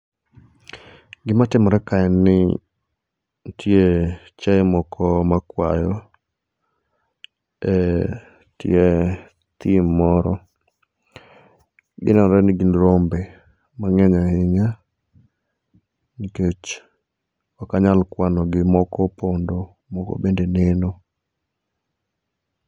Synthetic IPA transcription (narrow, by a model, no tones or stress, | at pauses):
ɡɪmatɪmɔɾɛkaɛnɪ | tje | t͡ʃɛmɔkʰɔmakwajɔ | ɛ | te | t̪ɪmːɔɾɔ | ɡɪ̰nɔnɾɛnɪɡinɾombe | maŋɛɲahɪɲa | niket͡ʃ | wakaɲalkwanɔɡɪmɔkɔpondo | mɔkɔ̰bendeneno